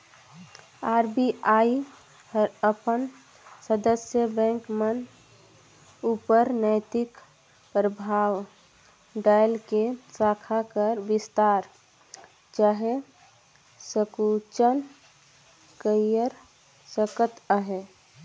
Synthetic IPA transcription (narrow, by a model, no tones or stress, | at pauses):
aɾbiai | həɾəpən | səd̪əsjəbɛ̃ŋkmən | upəɾnəɪt̪ɪk | pɾəbʱaːʋ | ɖalkesakʰakəɾʋɪst̪aɾ | d͡ʒaɦe | səkut͡ʃən | kəjəɾ | səkət̪əɦe